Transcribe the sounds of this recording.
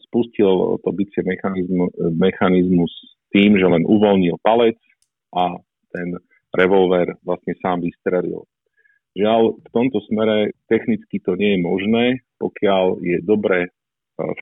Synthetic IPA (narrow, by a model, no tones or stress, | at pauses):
spuscilt̪ɔbit͡sɪɛmɛxaizmɛxanizmus | t̪iːmʒɛlɛnʔuʋɔlɲilpalɛt͡s | ʔa | t̪ɛn | ɾɛʋɔlʋɛːɾʋlasɲɛsaːmʋist̪ɾɛlḭl | ʒɪalft̪ɔmt̪ɔsmɛɾɛt̪ɛxnit͡skit̪ɔɲɪɛjɛmɔʒnɛːpɔkɪaljɛd̪ɔbɾɛ | f